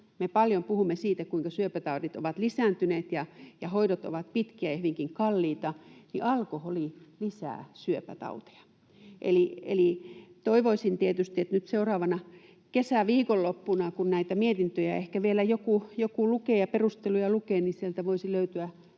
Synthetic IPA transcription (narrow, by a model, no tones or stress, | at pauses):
mepɑljompuhumːesiːt̪ækuiŋkɑsyøpæt̪ɑutit̪o̰ʋɑt̪lisæːˑnt̪yneːt̪jɑjɑhoiɾot̪o̰ʋɑt̪̚pit̪kiæjɑhyʋiŋkiŋkɑlːiːt̪ɑnḭʔɑlkoholilisæ̰ːˑsyøpæt̪ɑ̰ut̪e̥jɑ̥ | ʔḛliḛlit̪oiʋoisint̪iet̪yst̪iet̪nyt̪seurɑːʋɑnɑ | kesæˑʋiːkolːopːunɑkunnæit̪æmiet̪int̪øjæehkæʋielæjokujokuˑlukeːjɑperust̪elujɑlukeːnisielt̪æʋoisiløyt̪yæ